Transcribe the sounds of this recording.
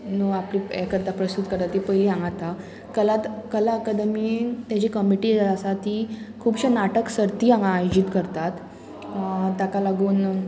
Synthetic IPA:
nuapliːɛ̰kəɾt̪apɾəst̪ut̪kəɾt̪at̪ːipəjliːãŋɡat̪a | kəlat̪kəlaəkad̪əmit̪jat͡ɕikəmiʈiːəsat̪iː | kʰuːbɕanaʈəksəɾt̪iːãŋaːjod͡ʑiːt̪kəɾt̪at̪ | t̪jakalaɡuːn

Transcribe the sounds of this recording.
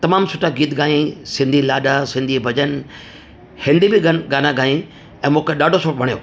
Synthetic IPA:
t̪ɐmaːmsʊʈʰaɡiːt̪ɡaːĩsɪ̃nd̪ʱilaːɗasɪ̃nd̪ʱibʱɐd͡ʑən | hɪ̃nd̪ibiɡɡaːnaɡaːĩ | ɛ̃ːmũːkeɗaːɖʱosoːʈ̚bʱɐɽ̃ijo̰ː

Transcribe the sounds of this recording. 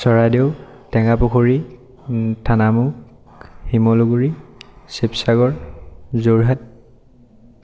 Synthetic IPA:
sɔɹadeʊ | tɛŋapʊkʰoɹi | tʰanamu | himɔluɡuɹisepsaɡɔɹzoɹɦat̚

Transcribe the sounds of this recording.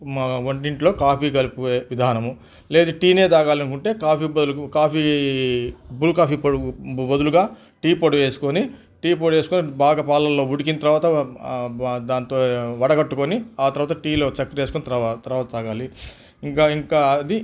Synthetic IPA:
ɐɳʈiɳʈlo̞ːkaːpiːɡɐlupueʋid̪ʱaːnɐmu | le̞ːd̪uʈiːne̞ːd̪aːɡaːlɐnkuɳʈe̞ːkaːpiːbɐulkaːpʰiː | bulkaːpiːpobɐd̪uluɡaː | ʈiːpoɽʋe̞ːsu̥koni | ʈiːpoɽʋe̞ːsu̥konibaːɡapaːlɐlːo̞ːʋuɽik̬inɐt̪ɐɾʋaːt̪ɐ | d̪aːnt̪oːʋɐɽɐɡɐʈːukoniaːt̪ɐɾʋaːt̪ɐʈiːlo̞ːt͡ʃɐkːɐɾeːsukonit̪t̪ɐɾʋaːt̪ɐt̪aːɡaːli | iŋkaːiŋkaːɐd̪i

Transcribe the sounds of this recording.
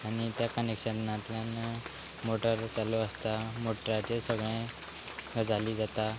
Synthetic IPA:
aɽ̃it̪jakənekʂənnat̪ljan | moʈəɾt̪aloəst̪amoʈəɾat͡ɕesəɡɭẽ | ɡəd͡zaliːd͡zat̪a

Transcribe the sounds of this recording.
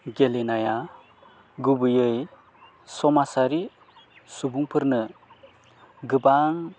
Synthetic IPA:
ɡelenaja | ɡubɯjɯj | sɔmasaɾi | subuŋpʰɯɾnɯ | ɡɯbaŋ

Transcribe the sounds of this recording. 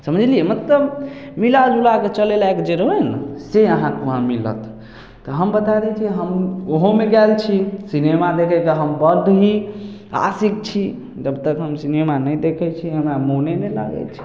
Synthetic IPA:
səməd͡ʒʱliɛmət̪ləbmilad͡ʒulaket͡ʃəlelaekd͡ʒeɾəɦenseəɦãkeoɦãmilə̰t̪ | t̪ɔɦəmbət̪ad̪ɛt͡ʃʰiɦəmoɦõmeɡɛlt͡ʃʰisinemad̪ekʰɛkeɦəmbəɾd̪ʱɦi | a̰sik̚t͡ʃʰi | d͡ʒəbt̪əkɦəmsinemanəjd̪ekʰɛt͡ʃʰiɦəmɾamonenela̰ɡɛ̰t͡ʃʰi̥

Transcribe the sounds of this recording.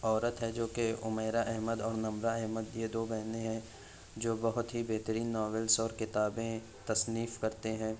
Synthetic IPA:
ɔːɾət̪ɦɛd͡ʒoːkeʊmeːɾaʔɛɦməd̪ɔːɾnɐ̃mɾaɛɦməd̪jed̪oːbɛɦnẽɦɛ̃ | d͡ʒoːbɐɦʊt̪ɦibeɦt̪əɾiːnːɔːʋelsɔːɾkɪt̪aːbẽ | t̪ɐsniːfkɐɾt̪eɦɛ̃ː

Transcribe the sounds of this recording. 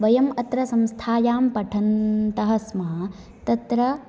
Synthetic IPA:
ʋɐjɐmɐt̪ɾɐsɐmst̪ʰaːjaːmpɐʈʰɐnt̪ɐɦɐsmɐɦɐ | t̪ɐt̪ɾɐ

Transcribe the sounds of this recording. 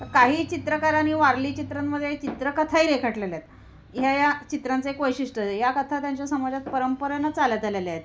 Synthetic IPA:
t̪əɾkaɦiːt͡ɕit̪ɾəkaɾaniːʋaɾliːt͡ɕit̪ɾanməd̪ʱjet͡ɕit̪ɾəkət̪ʰaiɾekʰəʈleljet̪ | ɦjajat͡ɕit̪ɾant͡səekʋəjɕiʂʈəejakət̪ʰat̪jaɲt͡ɕjasəmad͡zat̪̚pəɾəmpəɾanat͡salat̪alelajet̪

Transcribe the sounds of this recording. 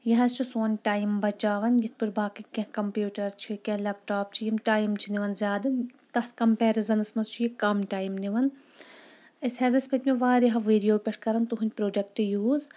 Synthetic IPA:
jɐɦɐst͡ʃʰusoːnʲʈaːjmbɐt͡ʃaːʋɐnjit̪̚ʰpɨɾbaːkikʲɐ̃kɐmpjuːʈɐɾt͡ʃʰikʲɐ̃lɐpʈaːp̚t͡ʃʰijimʈaːjmt͡ʃʰiniʋɐnzʲaːd̪ɨmt̪ɐt̪ʰkɐmpɛːɾizɐnɨsmɐzt͡ʃʰujikɐmʈaːjmniʋɐn | ɐsʲhɛːzɐsʲpɐt̪ʲmeʋaːɾiɦɐʋeːɖijoːpʲeʈʰkɐɾɐnt̪uɦunʲpɾoːɖɐk̚ʈjuːz

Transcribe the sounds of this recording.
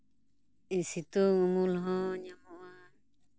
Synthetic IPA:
isit̪uŋumulɦɔ̃ɲamɔʔa

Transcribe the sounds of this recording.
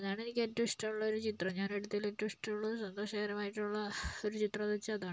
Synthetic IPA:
ɐðaːɳenikʲːetːuisʈɐuɭːɐoɾut͡ɕit̪rɐɲaːneɽut̪ːileʈːɐisʈɐuɭːɐusɐnd̪oːʂaɣɐɾɐmaːjiʈːuɭːɐo̞ɾut͡ɕit̪rɐðɐt͡ɕːɨɐðaːɳɨ

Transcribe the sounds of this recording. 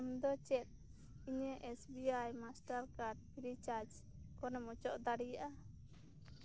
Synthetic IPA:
md̪ɔt͡ʃɛt̪̚ | iɲəʔesbiajmasʈaɾkaɾɖ̚pʰiɾit͡ʃad͡ʒ | kɔnɛmɔt͡ʃɔʔd̪aɽijaʔa

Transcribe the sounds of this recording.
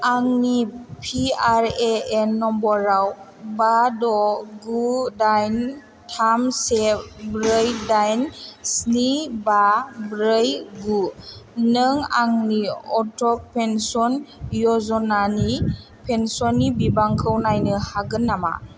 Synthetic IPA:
aŋnipʰiaɾeenːɔmbɔɾaw | badɔɡudajn | tʰamsebɾəjdajnsnibabɾəjɡunɯŋa̰ŋniɔtʰɔk̚pensɔnjɔzɔnani | pʰensɔnːibibaŋkʰɯwnajnɯhaɡɯnːama̰

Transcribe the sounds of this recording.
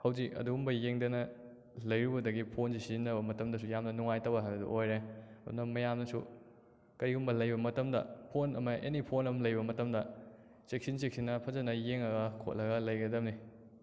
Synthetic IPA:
hɐwzikɐ̰duɡumbɐjeŋdɐnɐ | lɐjɾubɐdɐɡipʰonsisinɐbɐmɐtɐmdɐsujamnɐnuŋajtɐwɐɦaɐdṵʔojɾeɐdṵnɐmɐjamnɐsṵ | kɐɾiɡumbɐlɐjbɐmɐtɐmdɐ̰pʰonɐmɐʔḛnipʰonɐmlɐjbɐmɐtɐmdɐ | t͡ʃek̚sint͡ʃek̚sinːɐpʰɐzɐnɐjeŋɐɡɐkʰo̰t̚lʔɐɡɐlɐjɡɐdɐmni

